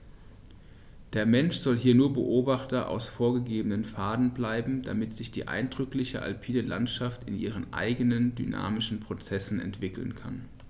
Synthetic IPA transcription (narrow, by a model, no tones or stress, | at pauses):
d̥eːɐmɛnʃz̥ɔlɦiːɐnuːɐbə̰ʔoːbaχtɐʔa̰ʊsfoːɐɡəɡeːbənənfaːdn̩blaɪbm̩d̥a̰mɪtz̥ɪçd̥ḭːʔa̰ɪndʁʏklɪçə̰ʔa̰lpʰiːdəla̰ntʃaftɪnʔḭːʁ̞ənʔa̰ɪɡənəndyna̰ːmɪʃn̩pʁ̥ot͡sɛsn̩ɛ̰ntv̥ɪkl̩nkʰa̰n